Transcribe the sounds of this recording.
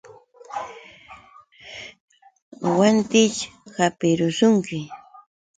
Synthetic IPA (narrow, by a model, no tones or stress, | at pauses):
want̪ɪt͡ʃhapɪɾʊsʊŋkɪ